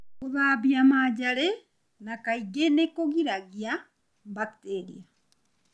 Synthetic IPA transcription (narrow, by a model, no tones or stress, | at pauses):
kuβaβjamaɟale | nakaiɡenekoɣiɾaɣja | mbakteɾḭa